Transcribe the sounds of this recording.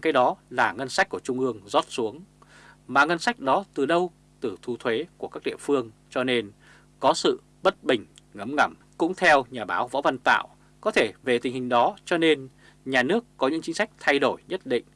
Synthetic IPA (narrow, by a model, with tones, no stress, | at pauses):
kaː˨˦jɗɔ˨˦laː˨˩ŋə˧nsa˦˥k̚ku˧˩ət͡ɕʊ˧ŋ͡mʔɨ˧əŋzɔ˦˥t̚su˨˦əŋ | maː˨˩ŋə˧nsa˦˥jk̟̚ɗɔ˨˦t̪ɨ˨˩ɗə˧w | t̪ɨ˨˩t̪ʰu˧t̪ʰwe˨˦ku˧˩əkaː˦˥k̚ɗḭ˧˨əfɨ˧əŋt͡ɕɔ˧ne˧n | kɔ˨˦sɨ̰˧˨ | ɓə˦˥t̚ɓï˨˩ŋ̟ŋə˨˦mŋə˧˩m | kʊ̰˧˥ŋ͡mt̪ʰɛ˧wɲaː˨˩ɓaː˨˦wvɔ̰˧˥və˧nt̪a̰ː˧˨w | kɔ˨˦t̪ʰe˧˩ve˨˩t̪ï˨˩ŋ̟hï˨˩ŋ̟ɗɔ˨˦t͡ɕɔ˧ne˧n | ɲaː˨˩nɨ˦˥əkːɔ˨˦ɲɨ̰˧˥ŋt͡ɕï˨˦ŋ̟sa˦˥jk̟̚t̪ʰa˧jɗo˧˩jɲə˦˥t̚ɗḭ˧˨ŋ̟